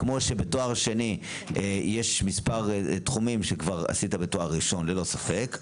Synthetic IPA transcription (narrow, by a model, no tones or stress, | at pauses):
kmo̞ʃebetoaʁʃe̞ni | ejeʃmispaʁtχumimʃekvaʁa̰sitabetoaʁːiʃo̞nlelo̞safe̞k